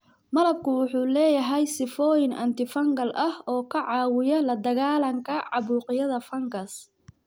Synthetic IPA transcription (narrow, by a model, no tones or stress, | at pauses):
mɐlɐb̚kʰʊwʊħuːlɛːjɐɦɛjsɪfɔːjɪnʔɐ̰nt̪ɪfɐŋɡɐlʔɐhɔːkʰɐʕɑːwɪjɐlɐd̪ɐɣaːlɐŋkʰɐʕɑβuːqɪjɐðɐfɐŋɡɐs